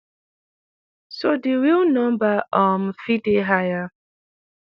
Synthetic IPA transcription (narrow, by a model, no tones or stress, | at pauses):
sodiɾilnɔ̃mbaʔɔm̩fideɦaja